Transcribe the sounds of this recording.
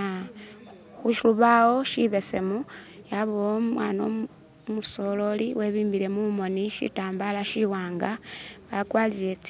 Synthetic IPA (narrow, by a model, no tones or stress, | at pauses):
xuʃiluβawo̞ʃiβe̞se̞mu | jaβoomwaːno | muso̞lo̞liwe̞βiːmbile̞mumo̞niʃḭtaːmbalaʃiwaːŋɡaβakwaːlilet͡s